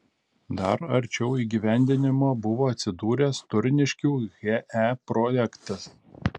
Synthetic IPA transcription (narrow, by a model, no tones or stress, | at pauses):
d̪ɐɾɐɾʲˑt͡ʃʲɛʊiːɡʲiʋʲæˑnʲd̪ʲɪnʲɪmoːbʊʋoːɐt̪ʲsʲɪd̪uːɾʲɛst̪ʊɾʲnʲɪʃʲkʲuːɣʲeʔæpɾɔːjɛkt̪ɐs